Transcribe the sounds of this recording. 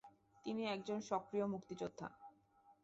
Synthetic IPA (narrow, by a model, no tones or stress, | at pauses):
t̪iniɛk̚d͡ʑonʃɔkɾiomukt̪id͡ʑod̪ʱːa̰